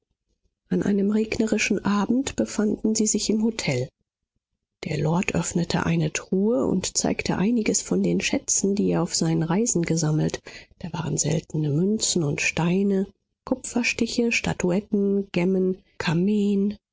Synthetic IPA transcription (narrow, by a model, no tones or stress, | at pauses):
ʔanʔa̰ɪnəmʁeːɡnəʁɪʃn̩ʔaːbm̩tb̥əfandn̩ziːzɪçɪmɦotʰɛl | d̥eːɐlɔɐtʰʔœfnətʰə̰ʔa̰ɪnətʁ̥uːəʊ̰ntt͡sa̰ɪktʰəʔaɪnɪɡəsfɔndeːnʃɛt͡sn̩diːeːɐaʊfz̥aɪnənʁaɪzn̩ɡəzaml̩td̥aːva̰ːʁənzɛ̰ltn̩əmʏnt͡sn̩ʊntʃtaɪnə | kʰʊpfɐʃtɪçəʃta̰tʰuɛtn̩ɡ̥ɛmən | kʰameːn